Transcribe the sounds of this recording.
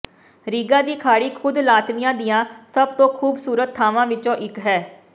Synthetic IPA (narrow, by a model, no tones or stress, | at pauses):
ɾiːɡãːd̪iːkʰaːɽiːkʰʊd̪laːt̪ʋɪjãːd̪ɪjãːsəb̚t̪õːkʰuːbsuːɾət̪̚ʰːaːʋãːʋɪt͡ʃõːʔɪkɦɛː